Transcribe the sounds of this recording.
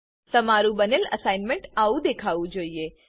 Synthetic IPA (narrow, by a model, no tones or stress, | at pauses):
t̪əmaɾũbənelə̰sainmẽɳʈaʋũd̪ekʰaʋũd͡ʒoːie